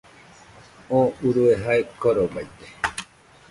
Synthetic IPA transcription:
õuɾueɦaekoɾobajt̪e̥

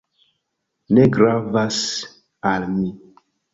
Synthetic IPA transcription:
neɡɾavas | almi

